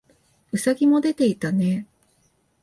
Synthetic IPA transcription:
ɯ̟saɡʲimo̞d̪e̞t̪e̞it̪ane̞

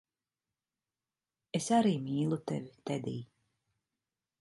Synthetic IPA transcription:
esaɾiːmiːlˠut̪ɛvit̪ɛd̪iː

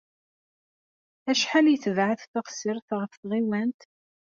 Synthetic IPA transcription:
æʃħaljθəvʕəθθɑqsɪɾθʁəfθʁiwænt̪

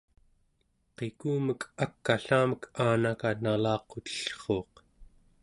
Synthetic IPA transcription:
qe̞kuːməkʰakːaɬaːməkʰaːnakanalɑːqot̪ə̥ɬχo̞ːq

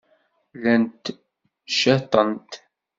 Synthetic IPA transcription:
lænt̪ | ʃæt̪ˤənt̪

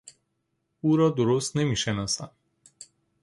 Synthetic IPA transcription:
uɾɔd̪oɾost̪nɛmiʃɛnasa

